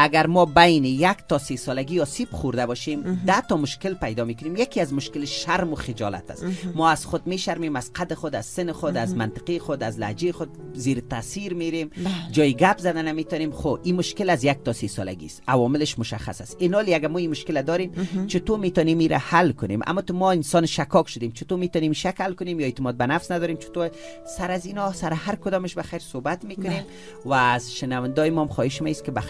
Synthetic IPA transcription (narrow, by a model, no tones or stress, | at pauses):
aɡaɾmɔbajnɪjakt̪ɔsesɔlaɡiɔsibχuɾd̪abɔʃemd̪at̪ɔmʊʃkɪlpajd̪ɔmekʊnemjakiazmʊʃkɪlɪʃʃaɾmʊxɪd͡ʒɔ̰la̰t̪ʰa̰smɔaz̥xʊd̪meʃaɾmemaz̥qʰad̪ɪxʊd̪azsɪnɪxʊd̪azmant̪ɪ̥qixʊd̪azla̰d͡ʒexʊd̪̚zeɾt̪aːsiɾmeɾemd͡ʒɔjiɡapzad̪anamet̪ɔnemχoimʊʃkɪlazjak̚t̪ɔsesɔ̰la̰ɡḭst̪awɔmɪlɪʃmʊʃa̰xa̰sasɪnɔleaɡamɔimʊʃkɪlad̪ɔɾemt͡ʃɪt̪omet̪ɔnemiɾa̰halkʊnḛmʔa̰mɔt̪ʊmɔɪnsɔnʃakɔkʃʊd̪emt͡ʃɪt̪omet̪ɔnemiʃakhalkʊnemjɔet̪ɪmɔd̪̚banafsnad̪ɔɾemt͡ʃʰɪ̥t̪o | saɾazinɔsaɾɪhaɾkʊd̪ɔmɪʃbaxajɾsobat̪mekʊnem | waːzʃɪnawɪnd̪ɔjɪmɔmxɔhɪʃmaiskɪba